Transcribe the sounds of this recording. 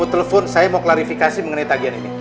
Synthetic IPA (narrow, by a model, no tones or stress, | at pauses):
ut̪ələfʊnsajamoklaɾifikasiməŋənait̪aɡianḭni